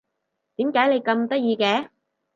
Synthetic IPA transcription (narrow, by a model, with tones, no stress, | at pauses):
t̪iː˨˥mkaː˨˥jle˨˧jkɐ˧mt̪ɐ˥t̚jiː˧kɛː˨˥